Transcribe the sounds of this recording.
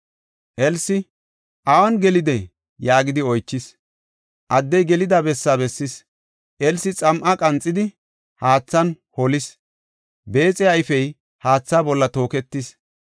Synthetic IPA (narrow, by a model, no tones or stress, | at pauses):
ʔɛlsɪ | ʔɐwɐnɡɛlɪd̪ɛ | jaːɡɪd̪ɪɔjt͡ʃːɪs | ʔɐd̪ːɛjɡɛlɪd̪abɛsːabɛsːɪs | ʔɛlsɪt͡sʼɐmʔɐkʼɐnt͡sʼːɪd̪ɪ | haːt͡sːɐn | hɔlɪs | be̞ːt͡sʼɛɐɪfɛj | haːt͡sːaːbɔlːɐt̪o̞ːkɛt̪ːɪs